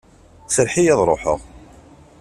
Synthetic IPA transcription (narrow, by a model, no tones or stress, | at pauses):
səɾħijɑðˤɾˤoħə̰ʁ